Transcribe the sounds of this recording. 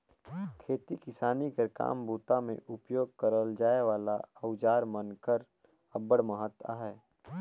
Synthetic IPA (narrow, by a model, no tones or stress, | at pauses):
kʰeːt̪ikɪsaːnikəɾka̰ːmbuːt̪amḛ̃ʔʊpjoːɡ̚kəɾəld͡ʒaːeʋaːlaəʊd͡ʒaːɾmənkəɾ | əbəɽməɦət̪a̰ːɦɛː